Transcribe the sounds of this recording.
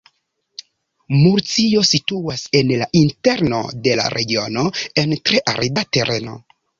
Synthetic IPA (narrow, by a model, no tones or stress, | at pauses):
muɾt͡sio̞situase̞nlaʔinte̞ɾno̞̰de̞la̰ɾʔe̞ɡio̞no̞entɾe̞ʔa̰ɾidate̞ɾʔe̞no̞̰